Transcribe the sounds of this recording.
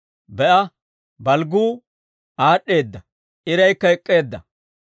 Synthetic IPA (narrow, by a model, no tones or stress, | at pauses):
bɛʔɐ | bɐlɡuː | aːɗːe̞ːd̪ːɐ | ʔɪɾɐjkːɐɛkʼːe̞ːd̪ːɐ